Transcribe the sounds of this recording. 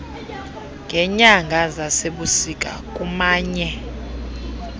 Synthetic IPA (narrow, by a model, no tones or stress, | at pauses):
ŋɡʱɛɲaŋɡʱazaseɓusikʼa̰kʼumaːɲɛ